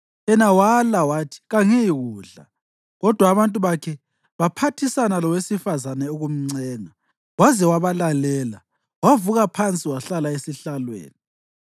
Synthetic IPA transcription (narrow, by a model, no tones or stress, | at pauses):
ɛnawalawatʰi̥ɣaŋiiɣuːɮa̰ | ɣɔd̥ʱwaːβantʼuβakʰɛ | βapʰatʰisanalɔwesifazanɛuɣum̩ŋ͡ǀɛːŋa | wazɛwaβalalɛːla | wavuɣapʰant͡sʼiwaɬalaesiɬalwḛːni